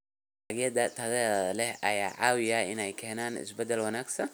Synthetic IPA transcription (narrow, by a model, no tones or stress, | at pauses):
ɐɡɪjɐd̪ɐt̪ʰɐðɛlɛhʔɐjaːʕɑːwɪjɐɪnɛjkʰɛːnaːnɪ̰sbɛd̪ɛlwɐnaːɡsɐn